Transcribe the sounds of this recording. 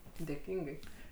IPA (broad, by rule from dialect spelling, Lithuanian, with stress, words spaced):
dʲeːˈkʲiːŋɡɐɪ